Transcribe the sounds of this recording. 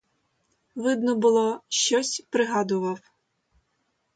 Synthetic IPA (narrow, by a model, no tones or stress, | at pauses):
ʋɪd̪nɔbʊlˠɔʃt͡ʃɔsʲpɾɪɦɑd̪ʊʋɑw